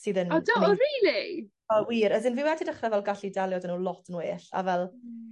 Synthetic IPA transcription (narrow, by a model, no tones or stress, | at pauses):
siːðənɔdɔɔriːli | ɔwiːɾəsɪnvɪwɛdidəχravɛlˠɡaɬidɛlˠjɔdənulˠɔtʰənweːɬa̰vɛlˠ